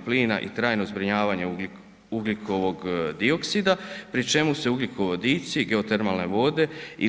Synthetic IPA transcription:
pliːna̰ʔḭt̪ɾaːjno̞zbɾiɲaːʋaɲe̞ | uɡlikʰo̞ʋo̞ɡd̪io̞ksid̪apɾit͡ʃe̞muse̞uɡlikʰo̞ʋod̪iːt̪siɡe̞ot̪eɾmalne̞̰ʋo̞d̪e̞i

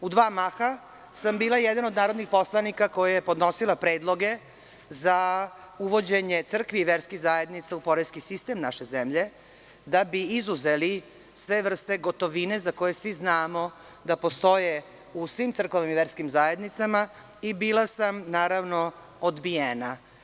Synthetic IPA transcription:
ud̪ʋaːmaxa | sambiːlˠajed̪anod̪naːɾod̪nixpo̞slˠanikako̞jajepo̞d̪no̞silˠapɾeːd̪lˠo̞ɡe̞ | zauʋo̞d͡ʑe̞ɲet̪sr̩kʋiːʋeɾskiɣzaje̞d̪nit̪saupo̞ɾeskisist̪e̞mnaʃe̞zemʎe | d̪abiizuzeli | sʋe̞ʋr̩st̪e̞ɡot̪o̞ʋinezako̞je̞sʋiznaːmo | d̪apo̞st̪o̞je | usʋimt̪sɾr̩kʋaʋimiʋeɾskimzaje̞d̪nit̪sama | ibiːlˠasamnaːɾavno | od̪bijeːna

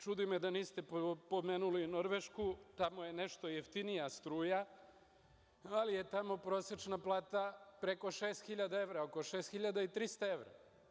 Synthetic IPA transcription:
t͡ʃud̪imed̪aniːst̪e̞po̞meːnulino̞ɾʋeʃkut̪amoje̞neʃt̪o̞jeft̪inijast̪ɾuːja | alije̞t̪amo̞pɾo̞ːse̞t͡ʃnaplˠaːt̪apɾe̞ko̞ʃeːst̪xiʎad̪ae̞ʋɾaokoʃeːst̪xiʎad̪ait̪ɾist̪ae̞ʋɾa̰

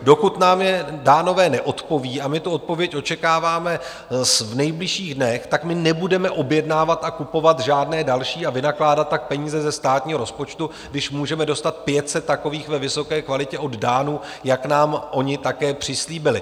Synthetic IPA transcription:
do̞kut̪naːmjɛdaːno̞vɛːnɛʔo̞t̪po̞viːamɪt̪uot̪̚po̞vjɛcʔo̞t͡ʃɛkaːvaːmɛ | svnɛjblɪʃiːɣdnɛxt̪akmɪnɛbudɛmɛʔo̞bjɛdnaːvat̪akupo̞vat̪ʒaːdnɛːdalʃiːavɪnaklaːdat̪ːak̚pɛɲiːzɛzɛst̪aːt̪ɲiːɦoɾospo̞t͡ʃt̪u | ɡdɪʃmuːʒɛmɛdo̞st̪at̪̚pjɛt̪sɛt̪̚ːako̞viːxvɛvɪso̞kɛːkvalɪcɛʔo̞ddaːnu | jaknaːmʔo̞ɲɪt̪akɛːpr̝̥ɪsliːbɪlɪ

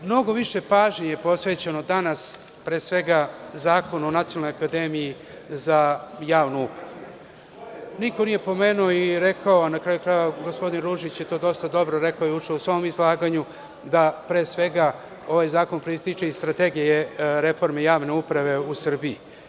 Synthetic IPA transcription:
mno̞ɡo̞ʋiʃe̞paːʒɲejepo̞sʋe̞ːt͡ɕe̞no̞d̪anas | pɾeːsʋe̞ɡazaːko̞nonat̪ionalːnojakad̪emiji | zajaːʋnuupɾaʋvuu | nikonije̞po̞meːnuoiɾe̞kaoanakɾaːjukɾajʋaɡospo̞d̪inɾuʒit͡ɕjet̪o̞ːd̪o̞st̪ad̪o̞bɾo̞ɾe̞kaojeut͡ʂeusʋo̞momizlˠaːɡaɲu | d̪apɾeːsʋe̞ɡa | o̞ʋajzaːko̞npɾist̪it͡ʂeist̪ɾat̪eɡijeɾe̞fo̞ɾmejaːʋneupɾaʋe̞usr̩bii

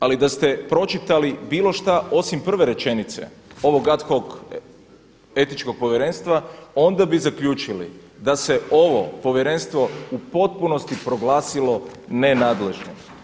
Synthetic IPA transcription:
alid̪ast̪e̞pɾo̞t͡ʃit̪alibiːlˠo̞ʃt̪aʔo̞simpr̩ʋe̞ɾe̞t͡ʃe̞nit̪se̞̰ | o̞ʋoɡat̪xo̞ɡ | e̞t̪it͡ʃko̞ɡ̚po̞ʋjeɾe̞nst̪ʋao̞nd̪abizakʎuːt͡ʃilḭ | d̪ase̞o̞ʋo̞po̞ʋjeɾe̞nst̪ʋo̞upo̞t̪̚puno̞st̪ipɾo̞ɡlaːsilo̞nenaːd̪le̞ʒno̰

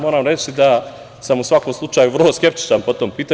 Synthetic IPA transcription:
mo̞ːɾamɾe̞t͡ʃid̪a | samusʋako̞mslˠut͡ʃaːjuʋrlˠo̞ske̞p̚t̪i̥t͡ʃanpo̞t̪oːmpiːt̪a

